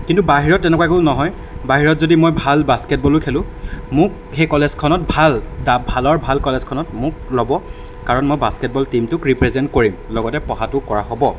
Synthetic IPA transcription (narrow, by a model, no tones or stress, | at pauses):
kintubaɦiɹɔtːɛnɛkwaɛkʊnɔɦɔj | baɦiɹɔtzodimojbʱalbaskɛt̚bɔlʊkʰelʊ̃ | mʊk̚ | xejkɔlezkʰɔnɔt̚bʱaldabʱalɔɹbʱalkɔlɛzkʰɔnɔtmʊk̚lɔbɔ | kaɹɔnmojbaskɛt̚bɔltimtʊkɹipɹɛzɛntkoɹimlɔɡɔtɛpɔɦatʊkɔɹaɦɔbɔ